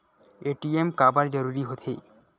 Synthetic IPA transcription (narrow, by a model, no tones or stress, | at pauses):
eʈiemkabaɾd͡ʑɔɾuɾiɦot̪ʰe